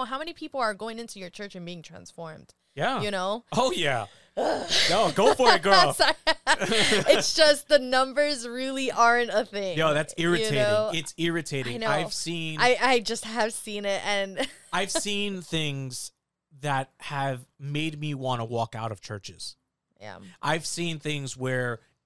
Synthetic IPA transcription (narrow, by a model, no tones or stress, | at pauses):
ɦaʊmɛnipʰipl̩ˠə˞ɡoʊɪ̃ŋɪ̃ntʰʉjə˞t͡ʃʰɜ˞t͡ʃɨ̃nbiɪ̃ŋtʰɹ̥æ̰̃nsfɔɹmd̥ | jæjɨnoʊoʊjæ | ʌnoʊɡoʊfəɨɡos | ɪtsd̥ʒ̥ʌst̪̚ðɨnʌ̃mbə˞zɹɪlˠiʔɑɹɨ̃ntəθɪ̃ŋnoʊðætsɪɹɨɨtʰeɪoɪ̃ʊɪtsɪɹɨtʰeɪɾɪ̃ŋnoaʊɪv̥ssĩnaɪʔaɪd͡ʒʌst̚hɨv̥sĩnɪtʔɨ̃naɪv̥sĩnθɪ̃ŋz̥ | ðɨt̚hɨvmeɪd̚miwɑ̃ñəwɔkaʊɾʌv̥t͡ʃʰɜ̰˞t͡ʃɨz̥ | jæ̰ʔaɪv̥sĩnθɪ̃ŋzwə˞